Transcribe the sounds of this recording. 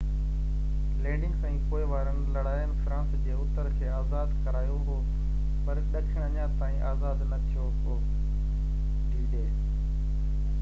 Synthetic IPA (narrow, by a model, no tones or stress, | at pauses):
lẽːɳɖɪ̃ŋɡsɛ̃ːkoːɪʋaːɾənlɐɽaːjənɪ̆fɾãːsd͡ʑeːʊt̪əɾkʰeːaːzaːd̪kɐɾaːjoɦoː | pɐɾɗɐkʰəɽ̃əɲãːt̪aːĩːʔaːzaːd̪nɐt̪ʰijoɦoː | ɖiːɖeː